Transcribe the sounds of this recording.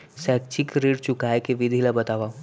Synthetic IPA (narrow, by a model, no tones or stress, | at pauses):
sɛːk̚t͡ʃikɾiɽt͡ʃʊkaːekeʋɪd̪ʱilabɐt̪aːʋa